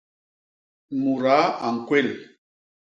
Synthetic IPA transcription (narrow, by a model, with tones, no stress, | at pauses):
mu˨ɾa˨˦a˨ŋ̩˨kwe˦˨l